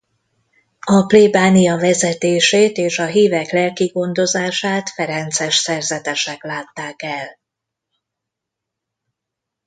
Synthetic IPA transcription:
ɒpleːbaːnijɒvɛzɛt̪eːʃeːt̪eːʃɒɦiːvɛklɛlkiɡo̞nd̪o̞zaːʃaːt̪fɛɾɛnt̪sɛʃsɛrzɛt̪ɛʃɛklaːt̪ːaːkɛl

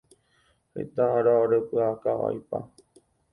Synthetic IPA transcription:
hḛt̪ãɾaoɾepɨakaʋa̰jpa̰

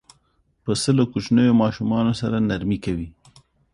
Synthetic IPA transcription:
pəsəlokut͡ʃnəjomɑʃumɑnosaɾanaɾmikawi

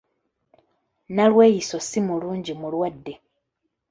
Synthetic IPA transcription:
nalwe̞ːjiso̞simuluːɲɟimulwadːe̞

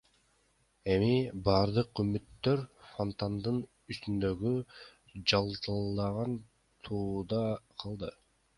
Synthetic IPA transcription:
e̞mibɑːɾd̪ɯqymyt̪ːø̞ɾfont̪and̪ɯn | yst̪ynd̪ø̞ɡy | d͡ʒɑlˠt̪ɯlˠd̪ɑʁɑn | t̪ʰuːd̪ɑqʰɑlˠd̪ɯ

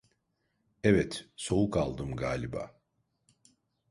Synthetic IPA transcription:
ɛvɛt̪so̞wukalˠd̪ɯmɡaːlʲiba̰ː

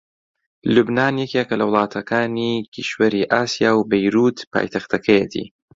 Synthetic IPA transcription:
lubnaːnjɛkekɐlɐwlˠɑːt̪ʰɐkʰaːnikʰḭʃwɐɾiːʔaːsijaːwbejɾuːt̪pʰa̰ːjt̪ʰɐxt̪ɐkʰɐjɛt̪ʰḭː

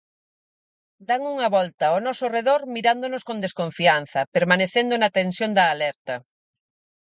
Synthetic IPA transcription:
d̪aŋuŋɐβɔlt̪ɐonɔsoreðoɾmiɾand̪onoskõnd̪eskõɱfian̟θɐpeɾmaneθend̪onat̪ensjond̪ɐːlɛɾt̪ɐ

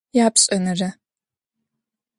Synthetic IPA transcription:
jaːpɕʼɐnɐrɐ

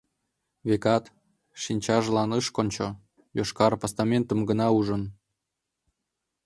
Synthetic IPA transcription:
βekɑt̪ | ʃinʲt͡ɕɑʒlɑnəʃkonʲt͡ɕo | joʃkɑɾpast̪ɑmʲent̪ə̆mɡənɑuʒə̆n

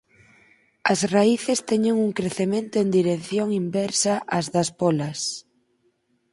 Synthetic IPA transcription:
ɐsraiθest̪ɛɲeŋuŋkɾeθemẽnt̪ʊend̪iɾekθjoŋimbɛɾsɐʔɐzðɐspɔlɐs

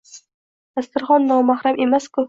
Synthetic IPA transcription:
ast̪ɪɾχɒnːɒwmaχɾamʔemaskʊ

